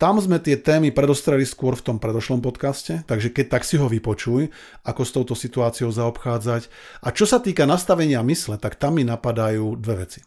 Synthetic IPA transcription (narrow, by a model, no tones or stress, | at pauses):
t̪amzmɛt̪ɪɛt̪ɛːmipɾɛd̪ɔst̪ɾɛliskʊɔɾft̪ɔmpɾɛd̪ɔʃlɔmpɔt̪kascɛt̪aɡʒɛkɛc̚t̪aksiɦɔʋipɔt͡ʃuj | ʔakɔst̪ɔʊt̪ɔsit̪uaːt͡sijɔʊzaɔpxaːd͡zac | ʔat͡ʃɔsat̪iːkanast̪aʋɛɲɪamislɛt̪akt̪amːinapad̪ajuːd̪ʋɛʋɛ̰t͡si̥